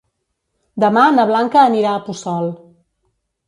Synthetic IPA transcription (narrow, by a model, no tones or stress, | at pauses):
d̪əmanəβ̞laŋkəːniɾaːpusɔlˠ